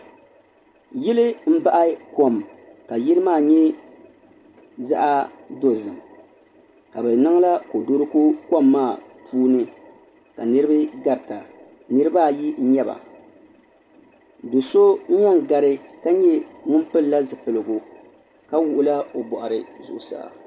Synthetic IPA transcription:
jɪ˦lɨ˦m̩˦ba˦ʔa˦ko˨mka˨ji˦lɨ˦maː˦˨ɲɛ˦ | za̰˦ʔa˦do˨zɨ˨m | ka˨bɛ˨na˦ŋ˦la˦ko˨do˦ɾɨ˦ku˦ko˦mːaː˦˨pʰuː˦nɨ˦ | ka˨nɨ˦ɾɨ˦bɨ˦ɡa˨ɾta˨ | nɨ˦ɾɨ˦ba˦˨ji˦ɲ̩˦ɲɛ˦ba̰˨ | do˨so˦ɲa˦ŋɡa˨ɾɪ˦ka˦ɲɛ˦ŋʊ˦m˦pɨ˦lla˦zɨ˨pɨ˨lɨ˨ɡu˨ | ka˦wu˦ʔʊ˦la˦o˨bɔ˨ʔa˨ɾɨ˨zʊ̰˨ʔʊ˨sa̰˨

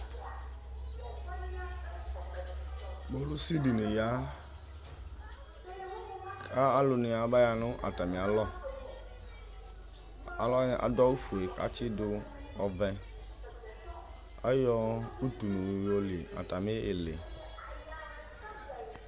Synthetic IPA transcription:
bo˦lu˦si˦di˨nɪ˨ja˦ | kʰa˦a˦lʊ˨nɪ˨a˨ba˦ja˨nʊ̃˦ʔa̰˨ta˨mĩ˨a˨lɔ˦ | a˦lɔ˦a̰˨da˦wu˦fu˨e˨ka̰˦t͡ʃɪ˦dʊ˦ɔ˨vɛ˦ | a̰˦jɔ˦u˦tu˨nu˨jo˦li˨a̰˨ta˨mɪ˦ɪ˨lḛ˨

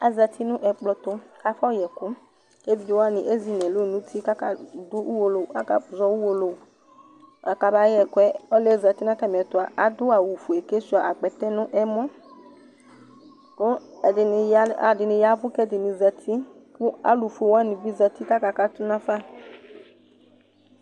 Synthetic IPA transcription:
a˨za˧˨t̪i˦nʊ̃˦ʔɛ˨k͡plɔ˨t̪ʊ˦ka˦fɔ˦˨jɛ˨kʊ˦ | e˦vi˨˦i˨wa˦nĩ˨ʔe˦zi˨nɛ̃˨lo˦˨nũ˦t̪ʰi˦ka˦ka˨d̪ʊ˦u˦wo˨lo˨a̰˨ka̰˨zɔ˦wu˦wo˨lo˨ | a˨ka˨ba˦ɛ˨kwɛ˦ɔ˦lɛ˦˨za˨t̪i˦nã˦ka˦˨m˨ɛ˨t̪ʊ˨a˨ʔa˨d̪ʊ˦a˨wu˨fu˨e˨ke˦su˦a˨ʔa˨ɡ͡bɛ˨t̪ɛ˦nʊ̃˦ʔɛ˦mɔ̃˦ | ko˦ɛ˨dɪ˨n˧ja̰˨dɪ˨nɪ̃˧ja˦vʊ˦kɛ˦˨dɪ˨nĩ˧za˧tʰi˦kʊ˦a̰˦lu˨fu˨e˨wa˦nĩ˨vi˦za˧t̪i˦ka˦ka˨˧˨ka˦t̪ʊ˦nã˦fa˦˨

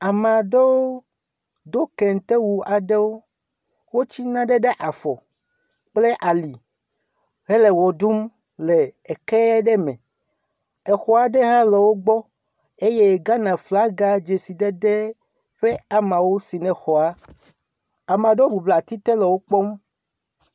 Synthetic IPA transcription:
a˨mã˨ɖe˦wo˦ | d̪o˦kɛ˨ŋ˨t̪e˦wu˨a˨ɖe˦wo˦ | wo˦t͡ɕi˦nã˦ɖe˦ɖe˦ʔa˨fɔ̰˨ | k͡ple˦ʔa˨li˨ | ɦe˦le˨wɔ˨ɖu˦m | le˨e˨kɛ˦ɛ˦ɖe˦mɛ̰̃˨ | ɛ˨xɔ˨a˨ɖe˦ɦa˦lɛ˨wo˦ɡ͡bɔ˦ | e˦je˦˨ɡa˦nã˨fla˦ɡa˦d͡ʒe˨si˨d̪e˦d̪e˦ | ɸe˦a˨mã˨wo˦si˨nɛ̃˨xɔ˨a˦ | a˨mã˨ɖe˦o˦bu˨bla˨t̪i˦t̪e˦lɛ˨wo˦k͡pɔ˦m

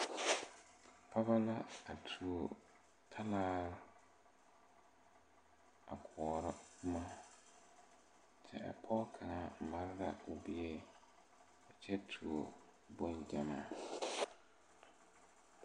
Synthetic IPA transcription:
pʰa˦βa˦la˦a˨tʰu˨o˨ | tʰa˦laː˦ɾʊ˦ | a̰˨kʰʊː˨ɾɪ˦ma˦ | t͡ʃʰɛ̰˦a̰˨pʰɔ˦kʰa˨ŋa˨ma˦ɾla̰˨ʊ˨bi˦e˦ | a˨t͡ʃʰɛ˦tʰu˨o̰˨ | bo˦nd͡ʒa˨maː˦

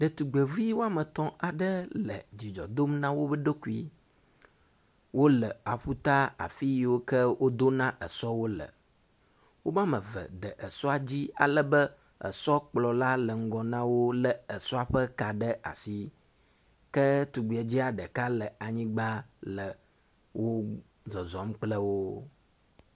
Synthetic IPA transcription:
ɖə˨t̪u˨ɡ͡be˨vi˦wo˦a˦mə̃˨t̪ɔ̃˦ʔa˨ɖə˦lə̰˨d͡ʑi˨d͡ʒɔ̰˨d̪o˦mnã˦wo˦bə˦ɖo˦ku˦i˦ | wo˦lə˨a˨ɸu˦t̪a˦a̰˨fi˦jwo˦kə˦wo˦d̪o˦nã˦ʔə˨sɔ˦wo˦lə̰˨ | wo˦mã˦mə̃˨və̰˨d̪ə˨ʔə˨sɔ˦a˨d͡ʑi˦a̰˨lə˨bə˦ | ə̰˨sɔ˦k͡plɔ˨la˦lə˨ŋ̩˦ɡɔ˨nã˦wo˦lə˨ə˨sɔ˦a˨ɸə˦ka˨ɖə˦ʔa̰˨si˨ | kə˦t̪u˨ɡ͡bu˨e˨d͡ʑi˦a˨ɖə˨ka˦lə˨a˨ɲĩ˦ɡ͡ba˦lə˨ | wʔo˦ | zɔ˨zɔ˨˦m˦k͡plə˦wo˦

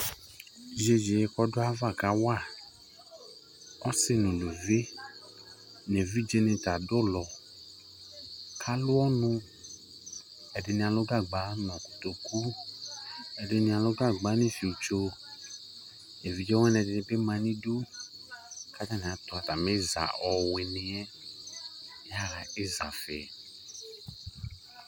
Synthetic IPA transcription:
ʒe˨d͡ʒe˨je˦kɔ˦do˦a˦va˦˨ka˨˦wa˦˨ | ɔ˦se˦nũ˨lo˨ve˦ | n˨ɛ̃˨vi˦d͡ʒe˦nẽ˨t̪a˨dʊ˦lɔ˨ | kʰa˦lʊ˦ɔ˦nũ˦ | ɛ˨de˨nĩ˨a˨lo˦ɡa˦ɡ͡ba˨˦nɔ̃˨ku̥˨t̪o˨ku˦ | ɛ˨dɪ˨nɪ̃˨a˨lʊ˦ɡa˦ɡ͡ba˨˦nɪ̃˦fi˨u˨t͡ʃo˦ | nɛ˨vi˨˦d͡ʒɛ˦wɛ˦n˨ɛ̃˨dɪ˨nɪ̃˨bɪ˦mã˨nĩ˦du˦ | ka˦ta˦nɪ̃˨a˨t̪ʊ˨a˨ta˨me˦za̰˨ʔɔ˨we˨nɪ̃˨ɛ˦ | a˦la˨ɪ˦za˨fɛ̰˨

